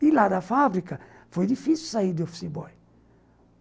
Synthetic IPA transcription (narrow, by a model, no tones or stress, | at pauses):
iladafabɾika | fɔd̪ifisu̥said̪ɔfsibɔj